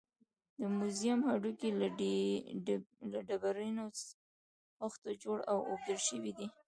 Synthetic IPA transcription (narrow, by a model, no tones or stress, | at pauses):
d̪əmuzjamhaɖukil | laɖabaɾino | axt̪od͡ʒoɽawo̰b̚d̪əlʃəwid̪i